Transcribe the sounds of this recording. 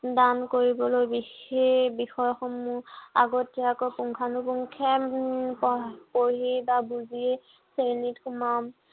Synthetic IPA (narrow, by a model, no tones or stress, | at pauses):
dankoɹibɔlojbiebixɔjxɔmua̰ɡɔtiakojpuŋkʰanupuŋkʰɛpɔpoɦibabuzie | senitxumam